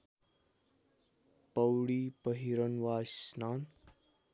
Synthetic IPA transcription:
pəwɽipəɦiɾənʋasnan

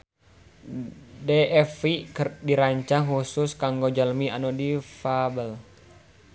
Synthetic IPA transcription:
deɛfikdiɾaɲt͡ʃaŋɦusʊskaŋɡod͡ʒəlmianodifabəl

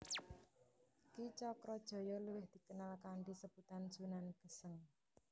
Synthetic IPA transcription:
kit͡ʃɔkɾɔd̥ʒ̥ɔ̤jɔluwɪhd̪̥i̤kənalkaɳɖisəb̥ut̪anz̥unanɡ̥ə̤səŋ

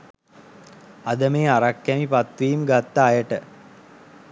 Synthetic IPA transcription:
ad̪əmeːaɾakːæmipat̪ʋiːmɡat̪ːaːjəʈə

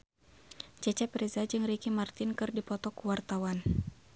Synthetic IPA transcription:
t͡ʃɛt͡ʃɛpɾɛzad͡ʒɨŋɾikimart̪ɪnkɨrdipɔt̪ɔkuwart̪awan

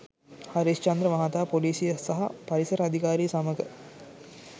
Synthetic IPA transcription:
hɐɾist͡ʃɐnd̪ɾəʋɐɦat̪aːpoliːsijɐsɐɦɐpɐɾisɐɾɐd̪ʱikaːɾiːsɐməɡə

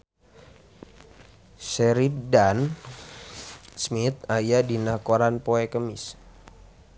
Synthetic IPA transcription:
sɛɾip̚dan | smit̪̚ajadinakoɾanpoɛkəmḭs

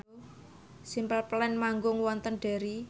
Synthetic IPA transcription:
simpəlplɛnmaŋɡʊŋwɔnt̪ənɖ̥e̤ɾi

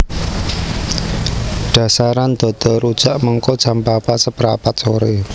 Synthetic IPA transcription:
ɖ̥ä̤saɾand̪̥ɔ̤d̪̥ɔ̤ɾud̥ʒ̥aʔməŋkod̥ʒ̥a̤mpapasəpəɾapat̪̚soɾe

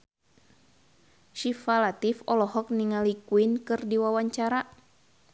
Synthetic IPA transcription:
ʃifalat̪ifɔlɔɦɔk̚niŋalikuinkɨrdiwawaɲt͡ʃaɾa

